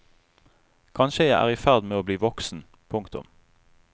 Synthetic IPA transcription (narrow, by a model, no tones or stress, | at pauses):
kʰɑnʃəjæɪʔæ̰ːʁifæʁd̪meːoːbliːʋɔksn̩ | pʰʊŋkt̪ʊ̰m